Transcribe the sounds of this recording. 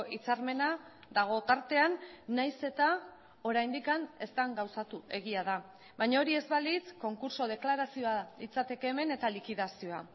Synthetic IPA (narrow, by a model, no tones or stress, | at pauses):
it͡saɾme̞na | d̪aɣ̞o̞t̪aɾt̪e̞anːajse̞t̪a | o̞ɾajnd̪ikane̞st̪aŋɡawsat̪ue̞ɣiað̞a | βajɲao̞ɾie̞zβalit͡sko̞ŋkuɾso̞ð̞e̞klaɾasio̞alit͡sat̪e̞ke̞ːme̞ne̞t̪alikiðasio̞a